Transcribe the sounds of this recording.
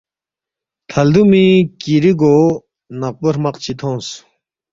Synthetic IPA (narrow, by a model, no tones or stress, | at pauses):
t̪ʰɐld̪umikiɾiɡo | naq̚bəɾmaqt͡ɕʰit̪ʰons